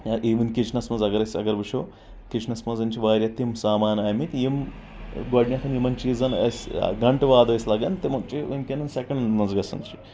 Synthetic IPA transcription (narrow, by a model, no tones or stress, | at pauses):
ʔiʋinʲkit͡ʃnɐsmɐzɐɡɐɾɐsʲɐ̰ɡɐɾʋɐʃʰoː | kiʃnɐsmɐzɐnt͡ʃiʋaːɾʲjɐt̪ːimsaːmaːnaːjmit̪jim | ɡoːɖnʲjaːk̪ɐnimɐnt͡ʃizɐnɐ̰sɡɐɳʈʋaːd̪ɐislɐɡɐnt̪imɐkt͡ʃiʋɐnkʲenɐnsʲekɐɳɖnɐzɡɐsɐ̰nt͡ʃi̥